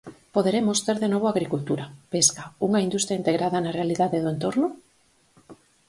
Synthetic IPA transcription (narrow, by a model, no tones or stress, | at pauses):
poðeɾemosθeɾðenoβ̞oaɣɾikult̪uɾapeskauŋaind̪ust̪ɾjaint̪eɣɾaðanarealiðaðeðoent̪oɾno